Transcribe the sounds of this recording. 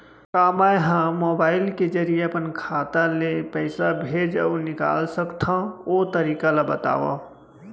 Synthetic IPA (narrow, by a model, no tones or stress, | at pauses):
kaːmajɦãmobaːɪlked͡ʒəɾijeəpənkʰat̪alepəɪsabʱed͡ʒa̰ʊnɪka̰ːlsəkt̪ʰãot̪əɾiːkalabət̪a̰ːʋa̰